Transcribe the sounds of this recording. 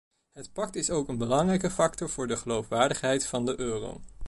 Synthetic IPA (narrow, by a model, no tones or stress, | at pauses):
ɦətpɑk̚tɪsowkənbəlɑŋrɛjkəfɑk̚tɔɹv̥ʊːɹdəχəlowfʋaːɹdəχɦɛjtfɑndəʔøːro̰w